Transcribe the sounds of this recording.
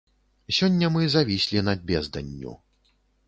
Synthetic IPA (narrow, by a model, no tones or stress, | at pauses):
sʲɔnʲːɐmɨzavʲisʲlʲinɐdʲbʲɛzd̪ɐnʲːṵ